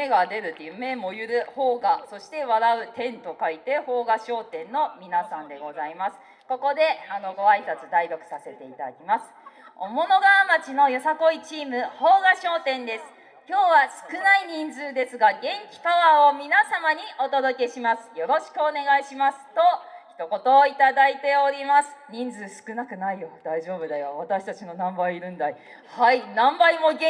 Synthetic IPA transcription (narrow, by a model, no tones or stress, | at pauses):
me̞ɡad̪e̞ɾɯ̟t̪ːejɯ̟me̞mo̞jɯ̟ɾɯ̟ho̞ːɡaso̞ɕi̥t̪e̞βaɾaɯ̟t̪ẽ̞nt̪o̞kait̪e̞ho̞ːɡaɕo̞ːt̪ẽ̞nːo̞mʲinasãnd̪e̞ɡo̞zaimasɨ̥ | ko̞ko̞d̪e̞ano̞ɡo̞aisat͡sɨd̪aiɾʲo̞kɯ̟̥sase̞t̪e̞it̪ad̪a̰kʲimasɨ̥o̞̰mo̞no̞ɡaβamat͡ɕino̞jo̞sako̞it͡ɕiːmɯ̟ho̞ːɡaɕo̞ːt̪ẽ̞nd̪e̞sɨ̥ | kʲo̞ːβasɨ̥kɯ̟naiɲ̟ĩnd͡zɨːd̪e̞sɨɡaɡẽ̞ŋkʲi̥kaβaomʲinasamaɲ̟iʔo̞t̪o̞d̪o̞ke̞ɕimasɨ̥jo̞ɾo̞ɕi̥kɯone̞ɡaiɕimasɨ̥t̪o̞çi̥t̪o̞ko̞t̪o̞ːit̪ad̪ait̪e̞o̞ɾʲimasɨ̥ɲ̟ĩnd͡zɨːsɨ̥kɯ̟nakɯ̟naijo̞d̪̥aiʑo̞ːbɯ̟d̪ajoβat̪aɕi̥t̪at͡ɕino̞nãmbaiːɾɯ̟̃nd̪ai | hainãmbaimo̞ɡ